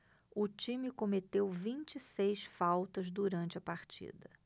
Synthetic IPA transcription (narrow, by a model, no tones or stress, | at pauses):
ʊt͡ʃĩmɪkomet̪ewvĩnt͡ʃisejsfawt̪ɐzd̪uɾɐ̃nt͡ʃɪɐpaɾt͡ʃḭd̪ɐ